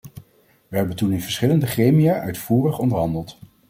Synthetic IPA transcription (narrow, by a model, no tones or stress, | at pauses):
ʋəɦɛbəntunɪnvəɹsχɪləndəχrejmijaʔœɥtfuːrəχɔndəɹɦɑndəlˠt